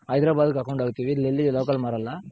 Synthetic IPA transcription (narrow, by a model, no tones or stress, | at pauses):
ɐɪjd̪ɾaːbaːðɯkːɐkɐʊɳɖaːɣɯt̪ːiʋiːlɛlːiloːkɐlmɐɾɐlːaː